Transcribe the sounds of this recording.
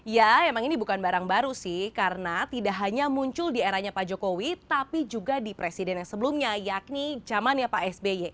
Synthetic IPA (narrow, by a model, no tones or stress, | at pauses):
jamemaŋinibukanbaɾaŋbaɾusɪhkarənat̪idaʔɦaɲamuɲt͡ʃʊldieɾahɲapad͡ʒokowit̪apid͡ʒuɡadipɾesidɛnjaŋsəbəlumɲajak̚nid͡ʒamanjapaɛsbejɛ